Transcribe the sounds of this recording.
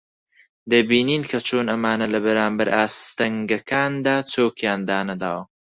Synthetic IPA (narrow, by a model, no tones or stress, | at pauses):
d̪əbininkat͡ʃonamɑːnalabaɾaːmbaɾʔaːst̪ɐŋɡakaːnd̪aːt͡soːkjɑːnd̪aːnad̪aw